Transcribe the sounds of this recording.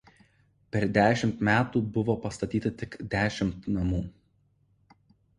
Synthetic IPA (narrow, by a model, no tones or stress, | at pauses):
pʲɛɾd̪ʲæːʃʲɪmt̪mʲæːt̪uːbʊʋoːpɐst̪ɐt̪ʲiːt̪ɐt̪ʲɪkd̪ʲæːʃʲɪmt̪nɐmuː